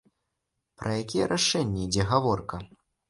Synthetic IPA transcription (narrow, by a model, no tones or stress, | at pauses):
pɾʔɐjakʲijɛɾʔaʂɛnʲːɛid͡zʲɛɣavɔrkɐ